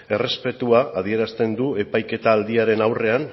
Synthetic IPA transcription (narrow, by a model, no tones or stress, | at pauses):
e̞re̞spe̞t̪uaːð̞ie̞ɾast̪e̞nd̪ue̞pajke̞t̪aːld̪iaɾe̞nawre̞an